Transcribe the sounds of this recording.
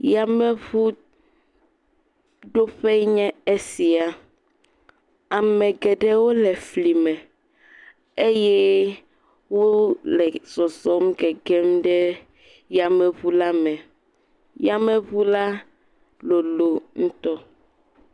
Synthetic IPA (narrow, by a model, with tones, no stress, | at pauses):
ja˨mɛ˦βu˦ | ɖo˦ɸɛ˦ɲɛ̃˦e˦si˨a˨ | a˨mɛ̃˨ɡɛ˨ɖɛ˦wo˦lɛ˨fli˨mɛ˨ | e˦jɛ˦ | wo˦lɛ˨zɔ˨sɔ˦mɡɛ˨ɡɛ˦mɖɛ˦ | ja˨mɛ˨βu˦la˦mɛ˨ | ja˨mɛ˦βu˦la˦ | lo˨lo˨ŋũ˦t̪ɔ˦